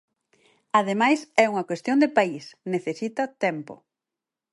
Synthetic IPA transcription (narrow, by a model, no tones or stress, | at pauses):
aðemajsɛuŋɐkwest̪jond̪epaisneθesit̪ɐt̪ɛmpo̰